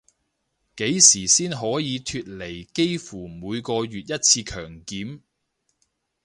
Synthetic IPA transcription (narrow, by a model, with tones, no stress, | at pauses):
ke˨˥jsiː˨˩siː˥nɦɔː˨˥jiː˨˧t̪ʰyː˧t̚le˨˩jke˥jfuː˨˩muː˨˧jkɔː˧ɥyː˨t̚jɐ˥t̚t͡sʰiː˧kʰœː˨˩ŋkiː˨˥m